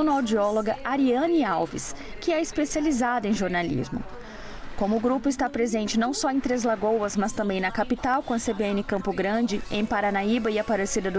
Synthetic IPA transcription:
nɐad͡ʒiɔloɡɐʔaɾiɐ̃niawvḭs | kɪɛɪspesializad̪ʊẽj̃ʒoɾnalḭzmʊ̰ | kõmʊːɡɾupʊɪst̪apɾezẽnt͡ʃɪnɐ̃w̃sɔẽt̪ɾezlaɡowɐzmɐst̪ɐ̃mbẽj̃nɐkapit̪awkõɐsebeẽnɪkɐ̃mpʊɡɾɐ̃d͡ʒɪẽj̃paɾanaibɐɪɐpaɾesid̪ɐd̪ʊ

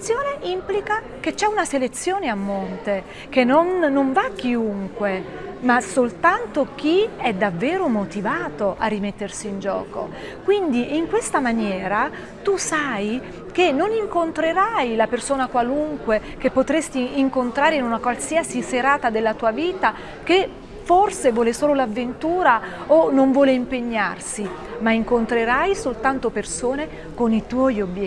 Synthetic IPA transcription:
sːjoːneʔimplika | k̟et͡ʃːɛunaselet̪sːjoːneamːont̪e | k̟enːonːoɱvak̟ːiuŋkwe | masolt̪ant̪ok̟iɛd̪avːɛːɾomot̪ivaːt̪oʔarːimet̪ːersiːnd͡ʒɔ̰ːko̰ | kwind̪iʔiŋkwest̪amanjɛːɾa | t̪usaj | k̟enːoniŋkont̪ɾeɾajlapersoːnakwaluŋkwe | k̟epːot̪ɾest̪iːŋkont̪ɾaːɾeinunakwalsiasiseɾaːt̪ad̪elːat̪uːaviːt̪a | ke | forsevɔːlesoːlolavːent̪uːɾaonoɱvwɔːleimpeɲːarsi | maiŋkont̪ɾeɾajsolt̪ant̪opersoːne | konit̪wɔjobj

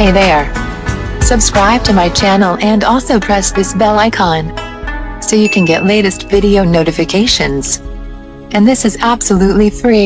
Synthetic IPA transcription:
eɪðə˞ | sɨb̥skɹaɪb̚tʰɨmaɪt͡ʃʰænl̩ˠɨ̃nɔlˠsoʊpʰɹ̥ɛsðɪsbɛlˠaɪkʰɑ̃n | soʊjɨkʰɨ̃nɡɛʔleɪɾɨstv̥ɪɾioʊnoʊɾɨfɨkʰeɪʃɨ̃nz̥ | ɨ̃nðɪsɨzæb̥səlutˡlifɹi

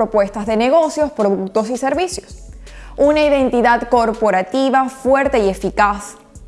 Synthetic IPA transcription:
ɾopwe̞st̪azðe̞ne̞ɣ̞o̞sjo̞spɾoðuk̚t̪o̞sise̞ɾβisjos | unaiðẽ̞nt̪iðad̪ko̞ɾpo̞ɾat̪iβafwe̞ɾt̪e̞ie̞fikas

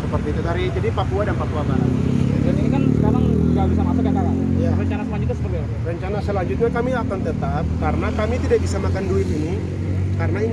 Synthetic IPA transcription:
səpərt̪iːt̪ut̪aɾid͡ʒadipapuadanpapuabaɾa̰t̪ainikansəkaɾaŋɡabisamasakakaɾajarəɲt͡ʃanasəlaɲd͡ʒut̪̚ɲasəbəlɛ | rəɲt͡ʃanasəlaɲd͡ʒʊt̪̚ɲakamiakant̪ət̪ap̚kaɾənakamit̪idaʔ̚bisamakanduɪt̪ini | kaɾənain

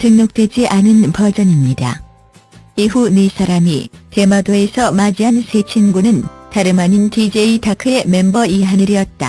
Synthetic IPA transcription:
tɯŋɲok̚t͈we̞d͡ʑiʔanɯnpʌd͡ʑʌɲimɲida̰ | iunesʰaɾamite̞madoe̞sʰʌmad͡ʑiɦansʰe̞t͡ɕʰinɡunɯntaɾɯmaɲintid͡ʑe̞itakʰe̞me̞mbʌiɦanɯɾijʌt̚t͈a̰

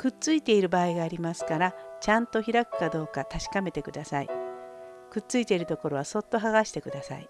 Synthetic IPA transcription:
kɯ̟tt͡sɨit̪e̞iɾɯ̟baːiɡaːɾʲimasɨ̥kaɾat͡ɕãnt̪o̞çʲiɾakɯ̟̥kad̪o̞ːkat̪aɕi̥kame̞t̪e̞kɯ̟d̪asaḭ | kɯ̟tt͡sɨit̪e̞iɾɯ̟t̪o̞ko̞ɾo̞βaso̞t̪ːo̞ɦaɣaɕi̥t̪e̞kɯ̟d̪asa̰i

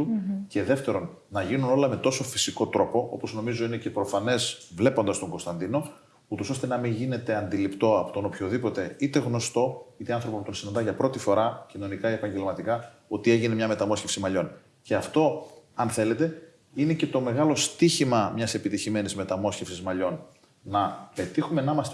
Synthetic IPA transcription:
t̪uce̞ðe̞ft̪e̞ɾo̞nːɐʝinuno̞lɐme̞t̪o̞so̞fi̥siko̞t̪ɾo̞po̞ʔo̞̰po̞zno̞mizo̞inece̞pɾo̞fɐne̞zvle̞po̞nd̪ɐst̪o̞ŋɡo̞st̪ɐnd̪ino̞ | ut̪o̞so̞st̪enɐmiɲʝine̞t̪e̞ɐnd̪ilipt̪o̞ɐpot̪onopço̞ðipo̞t̪e̞it̪e̞ɣno̞st̪o̞it̪eɐnθɾo̞pɐput̪onsinɐnd̪ɐʝɐpɾo̞t̪ifo̞ɾɐcino̞nikɐiepɐɲɟe̞lmɐt̪ikɐ | o̞t̪ie̞ʝine̞mɲɐme̞t̪ɐmo̞sçe̞fsimɐʎo̞n | ce̞ɐft̪o̞ɐnθe̞le̞t̪e̞ | inece̞t̪o̞me̞ɣɐlo̞st̪içimɐmɲɐse̞pit̪içime̞nizmet̪ɐmo̞sçefsizmɐʎo̞n | nɐpe̞t̪ixume̞nmɐst̪

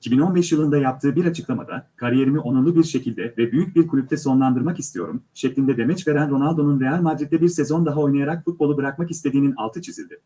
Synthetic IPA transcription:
icʰibino̞nbɛʃjɯlˠɯnd̪ajap̚t̪ʰɯːbiɾat͡ʃʰɯ̥klˠama̰d̪a̰kʰaɾije̞ɾimiʔo̞nalˠɯbiɾʃe̞cʰilʲd̪ɛvɛbyjyc̚biɾkʰulʲypt̪ʰɛso̞nlˠand̪ɯɾmakist̪ʰijo̞ɾumʃɛclʲind̪ɛd̪e̞mɛt͡ʃve̞ɾænɾo̞nalʲd̪o̞nunɾe̞jalʲmad̪ɾit̪̚lʲɛbiɾse̞zo̞nd̪aɦao̞jnajaɾakfut̪̚bo̞lˠubɯɾakmakist̪ʰe̞d̪iːnina̰lˠt̪ʰɯt͡ʃʰizḭlʲd̪ɪ

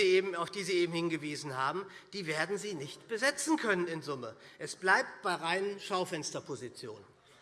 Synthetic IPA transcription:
ieːbm̩aʊfd̥iːziːʔeːbm̩hɪnɡəviːzn̩ɦaːbm̩d̥iːveːɐdn̩ziːnɪçtb̥əzɛt͡sn̩kʰœnənɪnzʊməʔɛsb̥laɪp̚t̚b̥aɪʁaɪnənʃaʊfɛnstɐpʰozit͡sjo̰ːn

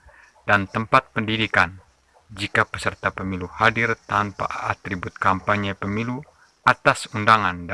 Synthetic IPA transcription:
dant̪əmpat̪̚pəndidikan | d͡ʒikapəsərt̪apəmiluhadirt̪anpa̰at̪ɾibʊt̪̚kampaɲəpəmilu | at̪asundaŋand

